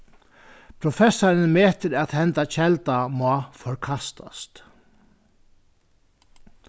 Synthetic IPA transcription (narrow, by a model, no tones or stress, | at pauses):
pʰɾʊfɛsːaɾənmeːt̪əɾat̪hɛnt̪at͡ɕʰɛlt̪amafɔɹkʰast̪ʰa̰st̪